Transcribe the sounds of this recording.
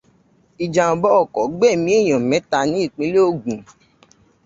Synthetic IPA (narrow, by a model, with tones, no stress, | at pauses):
i˨d͡ʒa˧ɔ˨bɔ˨˦ɔ˦˨kɔ˨ɡ͡bɛ˦˨mĩ˦e˦˨j̃ɔ̃˨mɛ̃˨˦ta˧nĩ˨˦i˦˨k͡pĩ˧˦le˦o˧˨ɡũ˨